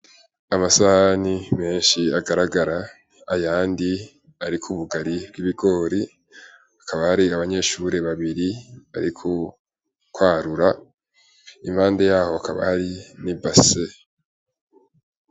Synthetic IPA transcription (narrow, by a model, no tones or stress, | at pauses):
amasahanime̞ːnʃiaɡaɾaɡaɾa | ajaːndi | aɾikʰuβuɡaɾibɡiβiɡo̞ːɾi | akʰaβahaɾiaβaɲe̞ːʃuːɾe̞βaβiɾia̰ɾikʰo | kwaːɾuɾa | imhaːnde̞jaːho̞akaβa̰haɾinibase